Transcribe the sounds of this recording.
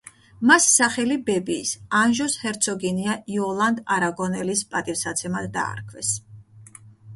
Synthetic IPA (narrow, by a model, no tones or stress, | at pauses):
masːaχɛlibɛbiːsanʒɔshɛɾt̪sʰɔɡiniaiɔlˠand̪aɾaɡɔnɛlispʼat̪ʼivsat̪sʰɛmad̪ːa̰ːɾkʰvɛs